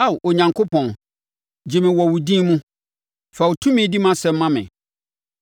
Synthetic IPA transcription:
a˦˨wʔo˨ɲã˨ŋkʰo˦pʰɔ̃˨n | d͡ʑi˨mɪ̃˨wɔ˨wu˨dĩ˦mũ˦ | fa˨wo˨tʰũ˦mɪ̃˦di˦mã˦sɛ˨m̩˦mã˦mɪ̰̃˨

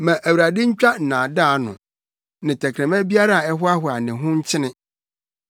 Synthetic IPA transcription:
mã˨ʔæ˨wɾa˨dɪ̃˦ɲ̩˦t͡ɕᶣa˦n̩˨nã˨daː˦nʊ̰̃˨ | nɪ̃˨tʰæ˨kʰɾæ̃˨mæ̃˦bi˦a˦ɾa˦˨ɛ˦hʊ˦a˦ɦʊ˦a˨nɪ̃˨ɦʊ̃˦ɲ̩˦t͡ɕʰɪ˦nɪ̃˦

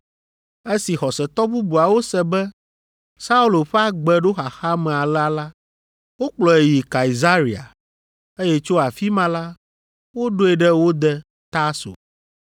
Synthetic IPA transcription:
e˦si˨xɔ˨sɛ˨t̪ɔ˦bu˦bu˨a˨wo˦sɛ˨bɛ˦ | sa˦u˦lo˨ɸɛ˦a˨ɡ͡bɛ˨ɖo˦xa˨xa˦mɛ˨a˨la˦la˦ | wo˦k͡plɔ˨e˨ji˨ka˨i˨za˦ɾi˨a̰˨ | e˦jɛ˦t͡ʃo˦a˨fi˦mã˦la˦ | wo˦ɖo˦ɛ˨ɖɛ˦wo˦d̪ɛ˦ | t̪a˦so̰˨

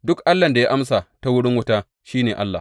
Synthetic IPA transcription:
dʊ˦kʔa˦lːɐ˨nda˨ja˦ʔa˦msa˨ta˦wʊ˦ɽɪ˦ŋwʊ˦taː˦ | ʃiː˦neː˨ʔa˦lːa˨

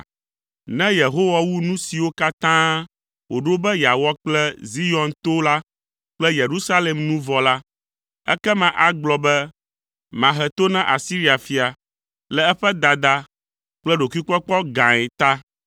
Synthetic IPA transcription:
nɛ̃˦je˨ɦo˦wa˦wu˦nũ˦si˨wo˦ka˦t̪ã˦ | wo˨ɖo˦bɛ˦ja˨wɔ˦k͡plɛ˦zi˦jɔ̃˨nt̪o˦la˦ | k͡plɛ˦je˨ɾu˦sa˦le˨mnũ˦vɔ˨la˦ | ɛ̰˦kɛ˦mã˨ʔa˦ɡ͡blɔ˨bɛ˦ | mã˨ɦɛ˨t̪o˦nɛ̃˦ʔa˨si˦ɾi˦a˨fi˨a˨ | lɛ˨ɛ˦ɸɛ˦d̪a˨d̪a˦ | k͡plɛ˦ɖo˨ki˦k͡pɔ˦k͡pɔ˦ɡã˨ɛ˨t̪a˦

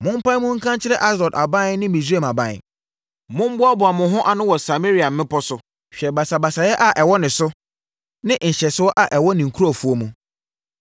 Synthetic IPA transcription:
mʊ̃˦m̩˦pã˦n˦mʊ̃˦ŋ̩˦kʰã˦nt͡ɕʰɪ˦ɾɛ˦ʔa˦sɾɔ˨da˨bã˦nɪ̃˦mĩ˨se˦˨ma˨bã˦˨n˨ | mʊ̃˦m˦bʊ˦a˦bʊ˨a˨mʊ̃˨ɦʊ̃˦ʔa˨nʊ̃˦wɔ˨sa˨me˦ɾi˨˦a˨m̩˦mɪ̃˦pɔ˦sʊ˦ | ɕᶣɛ˨ba˨sa˨ba˨sa˨jɛ˦ʔa˨ʔɛ˨wɔ˦nɪ̃˨sʊ˦ | nɪ̃˦˨ɕɛ˨sɪ˦ɔ˦ʔa˨ʔɛ˨wɔ˦nɪ̃˨ŋ̩˨kʰu˦ɾa˨fu˨˦o˦mũ˨

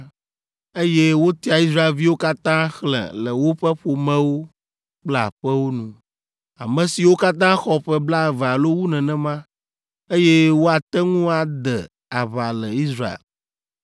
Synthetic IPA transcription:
e˦je˦wo˦t̪i˦a˨i˦s̬ɾa˦e˨lvi˦wo˦ka˦t̪ã˦xlɛ̰̃˨lə˨wo˦ɸɛ˦ɸo˨mɛ̃˦wo˦ | k͡pla̰˨ɸɛ˦wo˦nũ˦˨ | a˨mɛ̃˨si˨wo˦ka˦t̪ã˦xɔ˦ɸɛ˦bla˦ɛ˨va˨lo˦wu˦nɛ̃˨nɛ̃˦mã˦ | e˦jɛ˦wo˦a˨t̪ɛ˦ŋũ˦a˨d̪ɛ˨ | a˨βa˨lɛ˨i˦sɾa˦ḛ˨l

